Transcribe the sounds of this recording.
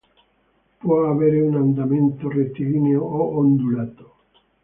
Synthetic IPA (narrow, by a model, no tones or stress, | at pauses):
poaβeɾunand̪amẽnt̪oret̪iɣineooʔond̪ulat̪o̥